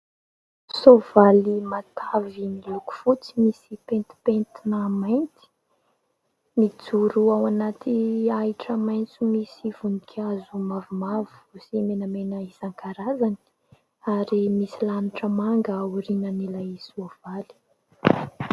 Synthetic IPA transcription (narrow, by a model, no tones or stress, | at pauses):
sovalimat̪ʰavimiluku̥fut͡simisipent̪i̥pent̪inamajnt̪i̥ | mid͡zuɾuawanat̪ʰiaiʈ͡ʂəmajnt͡simisiv̥unikʰʲazumavimavu̥simenəmenəizaŋkʰaɾazani̥ | aɾimisilanuʈ͡ʂəmaŋɡəːwuɾinənilajsov̥ali̥